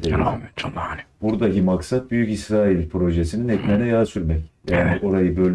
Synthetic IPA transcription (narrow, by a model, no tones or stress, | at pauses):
eɾt͡ʃʰb̥uɾd̪akimaksat̪̚byjycisɾaːilʲpɾo̞ʒesininɛt̪menɛjaːsyɾmɛcjaːniʔo̞ɾajɯbølʲ